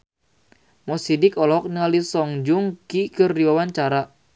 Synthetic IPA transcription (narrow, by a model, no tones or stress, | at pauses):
mɔsidɪkɔlɔk̚nəalisɔŋd͡ʒuŋkikɨrdiwawaɲt͡ʃaɾa